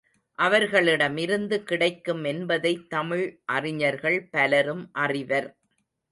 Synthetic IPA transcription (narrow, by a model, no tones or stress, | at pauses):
ʔɐʋɐɾɣɐɭɪɽɐmɪɾɯnd̪ɯkɪɽɐɪkːɯmɛnbɐðɐɪt̪ːɐmɪɻʔɐrɪɲɐɾɣɐɭpɐlɐɾɯmʔɐrɪʋɐɾ